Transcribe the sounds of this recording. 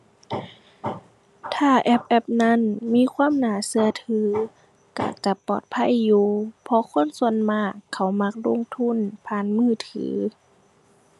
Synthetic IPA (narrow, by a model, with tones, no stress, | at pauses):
t̪ʰaː˧˩ʔɛ˧˥p̚ʔɛ˧˥p̚na˧˥˨nmiː˧˥˨kʰwaː˧˥˨mnaː˨˦sɯ˧ɐt̪ʰɯː˧˦ | ka̰˧˩t͡ɕa˧˦pɔ̰ː˨˩t̪̚pʰa˧˥˨jːuː˧pʰɔ˧˦kʰo˧˥˨nsu˧ə˨nmaː˧˥˩kʰːa˧˩wma˧˥k̚lo˧˥˨ŋt̪ʰu˧˥˨npʰaː˧˨nmɯː˧˥˩t̪ʰɯ̰ː˨˦